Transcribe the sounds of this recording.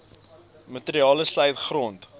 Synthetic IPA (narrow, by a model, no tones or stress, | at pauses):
mətəɾiɑːləslɛjtχrɔnt